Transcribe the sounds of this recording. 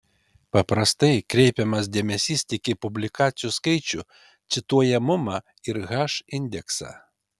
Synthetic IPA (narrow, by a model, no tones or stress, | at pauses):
pɐpɾɐst̪ɐɪkɾʲɛɪpʲɛmɐsd̪ʲeɛmʲɛsʲiːst̪ʲɪkʲɪpʊbʲlʲɪkɑːt̪sʲɪjuskɐɪt͡ʃʲʊ | t̪sʲɪt̪uɔjɛmʊmɑː | ɪɾɣɑːʃɪnʲd̪ʲɛksɑ̰ː